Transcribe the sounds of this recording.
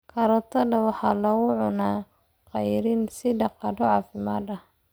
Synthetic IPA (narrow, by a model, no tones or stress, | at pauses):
kʰɐɾɔt̪ʰɐdɐwɑħɑːlɐɣʊʕʊnaː | qɑjɾɪnsɪdɑqɑdɔʕɑːfɪma̰ːd̪ɐh